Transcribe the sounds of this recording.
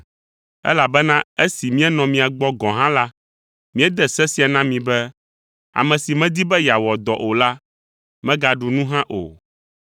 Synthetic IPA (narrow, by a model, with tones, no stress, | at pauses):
ɛ̰˦la˨bɛ˦nã˦e˦si˨mĩ˦ɛ˦nɔ̃˨mĩ˨a˨ɡ͡bɔ˦ɡɔ̃˨ɦã˦la˦ | mĩ˦ɛ˦d̪ɛ˦sɛ˦si˨˦a˨nã˦mĩ˨bɛ˦ | a̰˨mɛ̃˨si˨mɛ̃˦d̪i˦bɛ˦ja˨wɔ˨d̪ɔ˨ʔo˨la˦ | mɛ̃˦ɡa˨ɖu˨nũ˦ɦã˦ʔo̰˨